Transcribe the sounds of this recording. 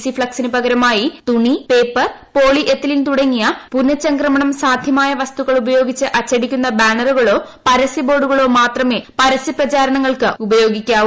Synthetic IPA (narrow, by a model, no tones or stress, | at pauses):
sifɭɐksinɨpɐɣɐɾɐmaːjit̪uɳipe̞ːpːɐr | po̞ːɭiʔet̪ːililt̪uɽɐŋːijɐpunːɐt͡ɕːɐŋkrɐmɐɳɐmsaːd̪ʱjɐmaːjɐʋɐst̪uɣɐɭubɐjo̞ːɡit͡ɕːɨʔɐt͡ɕːɐɽikʲːunːɐbaːɳɐruɣɐɭo̞ːpɐɾɐsibo̞ːɖuɣɐɭo̞ːmaːt̪rɐme̞ːpɐɾɐsiprɐt͡ɕaːɾɐɳɐŋːɐɭkɨubɐjo̞ːɡikʲːaː